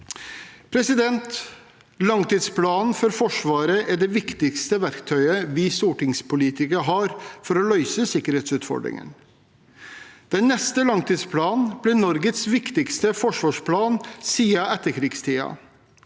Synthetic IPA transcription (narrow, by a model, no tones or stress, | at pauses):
pʰɾɛsɪd̪ɛnt̪ | lɑŋt̪iːd̪spʰlɑːnn̩fɔɾfɔʂʋɑːɾəʔæɖɛʋɪkt̪ɪkst̪əʋæɾkt̪ʰœʏəʋɪsuːʈɪŋspʊliːt̪ʰɪkəɦɑːɾfɔɾɔlœʏsəsɪkːəɾeːt̪sʉːt̪fɔ̰ɖɾɪ̰ŋə̰n | d̪̥ɛnːɛst̪əlɑŋt̪iːd̪spʰlɑːnnblɪnɔɾɡət̪sʋɪkt̪ɪkst̪əfɔʂʋɑːʂpʰlɑːnsiːɑʔɛt̪ːəɾkʰɾɪːɡst̪ʰiːɑ̰